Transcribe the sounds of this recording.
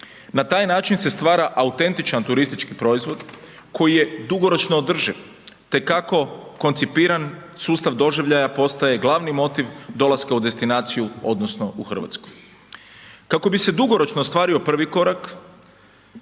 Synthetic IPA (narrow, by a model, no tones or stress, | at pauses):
nat̪aːjnaːt͡ʃinse̞st̪ʋaːɾaʔaut̪e̞nt̪it͡ʃant̪uɾist̪it͡ʃkipɾo̞izʋo̞d̪ | kʰo̞jije̞d̪uɡo̞ɾo̞t͡ʃnoːd̪r̩ʒiʋ | t̪e̞kːako̞ko̞nt̪sipiːɾansuːst̪aʋd̪o̞ʒiʋʎajapo̞st̪aje̞ɡlˠaʋnimo̞t̪iʋd̪o̞laskaud̪e̞st̪inaːt̪sijuo̞̰d̪nosno̞uxr̩ʋa̰t̪skoj | kako̞bise̞d̪uɡo̞ɾo̞t͡ʃnost̪ʋaːɾio̞pr̩ʋiko̞ɾak